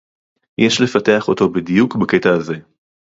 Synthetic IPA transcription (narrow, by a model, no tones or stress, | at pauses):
jeʃle̞fate̞aχot̪o̞bid̪ijukbake̞t̪aːze̞